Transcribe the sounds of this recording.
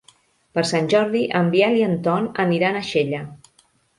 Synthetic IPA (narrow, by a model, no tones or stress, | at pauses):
pəɾsanʲʒɔɾðiʔəmbialiənt̪ɔnəniɾanəʃeʎə